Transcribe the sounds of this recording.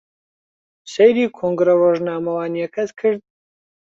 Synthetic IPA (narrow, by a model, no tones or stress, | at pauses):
sejɾiːkʰoːŋɡɾɐroːʒnaːmɐwaːnijɛkʰɐskʰɨɾd̪̚